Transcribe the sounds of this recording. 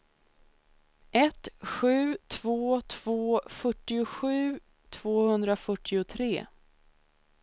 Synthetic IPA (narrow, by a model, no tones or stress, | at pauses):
ʔɛt̪ɧʉ̟ːt̪ʰv̥oːt̪ʰv̥oːfœʈːɪʊɧʉ̟ː | t̪ʰv̥oːhɵnd̪ɾafœʈːɪʊt̪ʰɾeː